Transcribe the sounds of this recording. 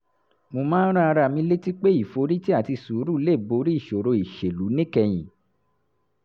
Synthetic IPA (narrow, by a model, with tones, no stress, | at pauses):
mo˧mãː˦n̩˦ɾa˦a˧ɾa˦˨mĩ˧le˦ti˦k͡pe˦i˦˨fo˨˧˦ɾi˦ti˦a˦˨ti˧su˨˦ɾu˦le˦˨bo˨˧˦ɾi˦i˦˨ʃo˨ɾo˧i˨ʃe˨lu˨˦nĩ˦kɛ˧j̃ĩ˨